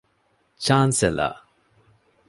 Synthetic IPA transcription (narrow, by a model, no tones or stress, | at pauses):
t͡ʃaːnsɛla̰